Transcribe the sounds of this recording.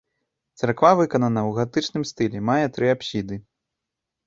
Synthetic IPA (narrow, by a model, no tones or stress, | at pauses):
t̪sarkvavɨkɐnɐnɐwɣat̪ɨt͡ʂnɨmst̪ɨlʲɛmajɛt̪ɾɨapsʲid̪ɨ